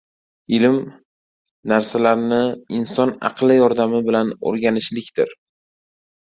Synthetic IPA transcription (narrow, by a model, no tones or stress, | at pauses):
ɪlɪm | naɾsalaɾnɪɪnsɒnɑ̰qlˠɪjɒɾd̪amɪbɪlano̰ɾɡʲanɪʃlɪkʲt̪ɪɾ